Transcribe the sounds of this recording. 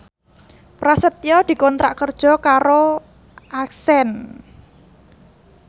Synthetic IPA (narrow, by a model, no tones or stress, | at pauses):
pɾasət̪jɔd̪̥i̤kɔnt̪ɾa̰ʔkərd̥ʒ̥ɔ̤kaɾo | ʔaksɛn